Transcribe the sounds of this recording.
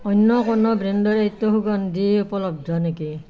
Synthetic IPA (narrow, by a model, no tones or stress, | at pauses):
ɔjnːɔkɔnɔbɾendɔɹejt̪ːoɦuɡɔndiupɔlɔb̚dʱɔneki